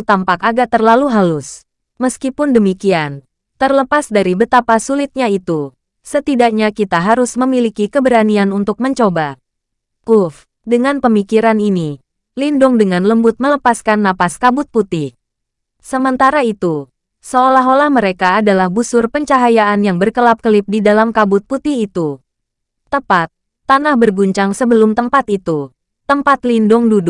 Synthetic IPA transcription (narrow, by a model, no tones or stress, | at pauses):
t̪ampakaɡaʔt̪ərlaluɦalʊs | məskipʊndəmikian | t̪ərləpasdaɾibət̪apasulit̪̚ɲait̪u | sət̪idak̚ɲakit̪aɦaɾʊsməmilikikəbəɾanianunt̪ʊk̚məɲt͡ʃoba | ʔuf | dəŋanpəmikiɾanini | lindʊŋdəŋanləmbʊt̪̚mələpaskanːapaskabʊt̪̚put̪ɪh | səmənt̪aɾait̪u | səolaɦolahməɾekaːdalahbusʊrpəɲt͡ʃaɦajaʔanjaŋbərkəlap̚kəlɪp̚didalamkabʊt̪̚put̪ɪhit̪u | t̪əpat̪̚ː | anahbərɡuɲt͡ʃaŋsəbəlʊmt̪əmpat̪it̪u | t̪əmpat̪lindʊŋdudu